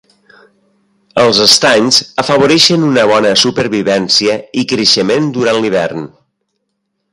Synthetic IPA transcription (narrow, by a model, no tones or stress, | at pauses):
əlˠzəst̪aɲzəfəβ̞oɾɛʃənunəβ̞ɔnəsupəɾβiβɛnsiəikɾəʃəmend̪uɾanliβ̞ɛ̰rn